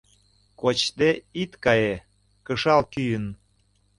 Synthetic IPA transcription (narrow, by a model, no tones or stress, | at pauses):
kot͡ɕt̪eit̪kɑje | kəʃɑlkyjən